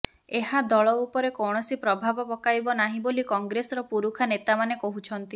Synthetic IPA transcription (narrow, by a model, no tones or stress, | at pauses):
eɦad̪ɔɭɔupɔɾekɔwɳ̃ɔsipɾɔbʱabɔpɔkajbɔnaɦĩbolikɔŋɡɾesɔɾɔpuɾukʰanet̪amanekoɦut͡ʃʰɔnt̪i